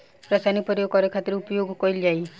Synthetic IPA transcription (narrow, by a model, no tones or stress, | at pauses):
pɾasanipɔɾijokɔɾekʰat̪iɾupɔjoɡkɔɾild͡ʒaj